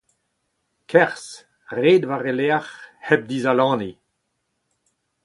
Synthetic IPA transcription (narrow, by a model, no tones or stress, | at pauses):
kʰɛʁs | ʁeːd̪vaʁeleaχhɛb̚d̪izalɑ̃ːni